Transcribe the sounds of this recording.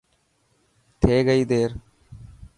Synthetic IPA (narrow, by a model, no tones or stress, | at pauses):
t̪ʰeːɣɐjd̪eːɾ